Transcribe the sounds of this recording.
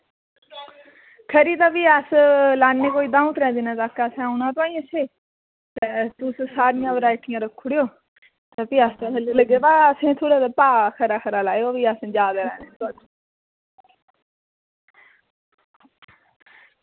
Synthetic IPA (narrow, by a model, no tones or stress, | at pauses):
kʰəɾiːt̪aːpiːəslaːnːeːkoːiːd̪ãːũt̪ɾɛ̃ːd̪iːnãːt̪aːkːaəsẽʊnãːt̪oaːĩːəseː | t̪eːt̪ʊssaːɾɪjãːʋəɾaːɪʈʰːɪjãːɾəkʰːʊɽejoː | t̪epiːast̪ãːkʰəlːləɡeːbaːəsẽːt̪ʰoːɽaːt̪aːpaːkʰəɾaːkʰəɾaːlaːeoːʋiːəsd͡ʒaːd̪aːɾɛ̰ːneːt̪at͡ʃː